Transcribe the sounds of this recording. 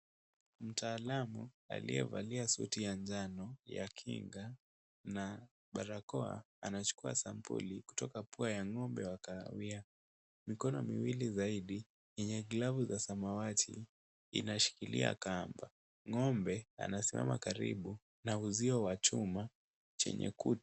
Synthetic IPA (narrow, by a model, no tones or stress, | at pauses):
m̩taːlamu | a̰lḭɛ̰va̰liasṵtijand͡ʒanɔja̰kʰḭŋɡa | na | ɓaɾakɔa̰ː | nat͡ʃu̥kua̰sampṵliku̥tɔkapuajaŋɔmbɛwakawia | mikɔnɔmiwilizaiɗi | jɛɲɛɡlavuzasamawatʰḭː | naʃi̥kilḭa̰kamba | ŋɔmbɛa̰nasima̰ma̰kaɾiɓu | nauziɔwat͡ʃuma | t͡ʃɛ̰ɲɛ̰kut